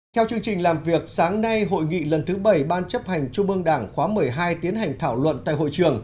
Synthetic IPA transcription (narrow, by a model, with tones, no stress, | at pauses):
t̪ʰɛ˧wt͡ɕɨ˧əŋt͡ɕï˨˩ŋ̟laː˨˩mvi˨˩ək̚saː˨˦ŋna˧jɦo̰˧˨jŋḭ˧˨lə˨˩nt̪ʰɨ˨˦ɓə˧˩jɓaː˧nt͡ɕə˦˥p̚ha˨˩jŋ̟t͡ɕʊ˧ŋ͡mʔɨ˧əŋɗaː˧˩ŋxwaː˨˦mɨ˨˩əjɦaː˧jt̪i˨˦ənɦa˨˩jŋ̟t̪ʰaː˧˩wlwə̰˧˨nt̪a̰ː˧˨jɦo̰˧˨jt͡ɕɨ˨˩əŋ